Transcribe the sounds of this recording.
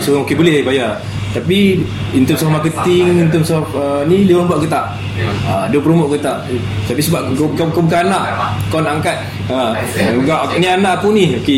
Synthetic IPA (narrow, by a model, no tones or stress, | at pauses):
soɣaŋokebəlɛhebaja | t̪api | int̪əmsɔfmakət̪iŋint̪əmsɔfənilewabaʔkət̪aʔ | aduəpəɾumʊʔkət̪aʔ | t̪apisəbaʔkkakobukaanaʔkɔnaŋkat̪̚ | ə | ukaʔnianaʔpunioke